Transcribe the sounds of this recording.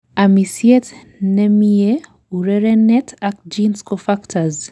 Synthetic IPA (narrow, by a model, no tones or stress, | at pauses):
amisiɛt | nɛmiɛ | uɾɛɾɛnɛtʰak̚d͡ʒinskɔfaktʰaz